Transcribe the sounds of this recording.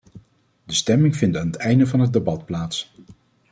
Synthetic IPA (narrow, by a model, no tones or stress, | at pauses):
dəstɛmɪŋvɪntaːnətɛjndəvɑnɦəd̚debɑtplaːts